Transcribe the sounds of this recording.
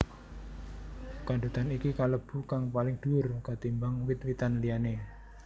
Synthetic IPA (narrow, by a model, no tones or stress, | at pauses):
kanɖ̪ut̪anikikaləb̥ṳkaŋpalɪŋd̪̥uʊrkat̪imbaŋwɪt̪̚wit̪anliane